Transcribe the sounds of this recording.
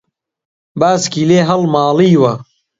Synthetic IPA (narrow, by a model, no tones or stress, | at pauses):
baːskiːleːɦɐlmaːliːwɐ